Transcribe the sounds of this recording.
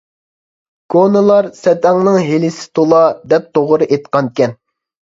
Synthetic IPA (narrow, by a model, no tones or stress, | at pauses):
ɡ̥onɨlˠɑɾsɛt̪ɛŋnɨŋɦelɪsɪ̥t̪ʰolˠɑd̪ɛp̚t̪ʰoʁɾɨʔet̪qɑnkʲɛn